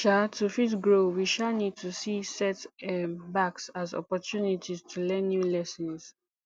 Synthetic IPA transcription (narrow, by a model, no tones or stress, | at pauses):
ʃatʰufitɡɹowiʃanid̚tʰusisɛtɛbaksazɔ̰pɔtʰjunitʰiztʰulɛ̃nːjulɛsɔ̃ns